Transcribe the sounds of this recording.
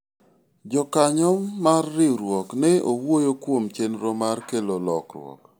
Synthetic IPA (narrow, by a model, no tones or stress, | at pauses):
d͡ʒɔkaɲɔmːarːɪɾwɔknɛowojokwomt͡ʃenɾomarkelolɔkɾwɔ̰k